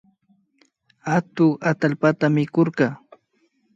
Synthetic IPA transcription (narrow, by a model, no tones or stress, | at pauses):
at̪ʊat̪alpat̪amɪkoɾɢɑ